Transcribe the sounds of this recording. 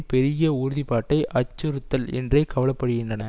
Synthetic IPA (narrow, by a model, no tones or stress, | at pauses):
pɛɾɪjɐʊɾʊðipaːʈːɐɪʔɐt͡ʃːɯɾɯt̪ːɐlɛ̰ndrɐɪkːɐʋɐlɐpːɐɽɯɣɪndrɐnɐ